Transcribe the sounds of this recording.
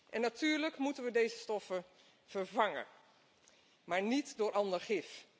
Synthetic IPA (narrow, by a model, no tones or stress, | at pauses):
ʔɛnːatyːɹləkmutənʋədejzəstɔfə | v̥əɹvɑŋə̰ | maːɹnitdʊːɹʔɑndəɹχɪf